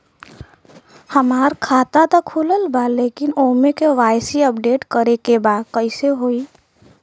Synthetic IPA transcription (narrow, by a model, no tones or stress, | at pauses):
hɐmaːɾkʰaːt̪at̪əkʰːuləlbaleːkɪnoːmekeʋaːɪsiəpɖeːʈkəɾekebaːd̪̚kəɪseɦoːi